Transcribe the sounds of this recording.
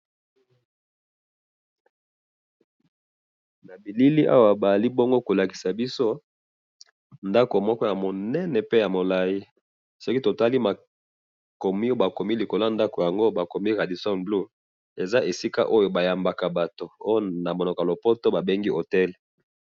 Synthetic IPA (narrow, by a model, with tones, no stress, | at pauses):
na˨bi˨li˦li˦ʔa̰˦wa˨ba˨li˦bo˦ŋɡo˦ko˨la˨ki̥˨sa˨bi˦so˦ | nda˦ko˨mɔ˦kɔ˦ja˨mo˨nɛ˦nɛ˨pe˦ja˨mo˨la˨ji˦ | sɔ˦ki˦to˨ta˦li˦ma˨ | ko˨mi˦o˦ba˨ko˨mi˦li˨ko˨la˦nda˦ko˨ja˨ŋɡo˦ba˨ko˨mi˦ʁa˨di˨sɔ˦nblu˦ | e˨za˦ʔe˨si˦ka̰˦ʔo˦jo˨ba˨ja˨mba˨ka˨ba˨to˨o˦jo˦na˨mo˨no˨ka˨lo˨po˦to˦ba˨be˦ŋɡi˦ʔo˨tɛ˦l